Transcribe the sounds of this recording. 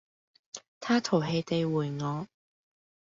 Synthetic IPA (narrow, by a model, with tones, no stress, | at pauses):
t̪ʰaː˥t̪ʰo˨˩wɦe˧jt̪e˨˧jwuː˨˩jŋɔː˨˧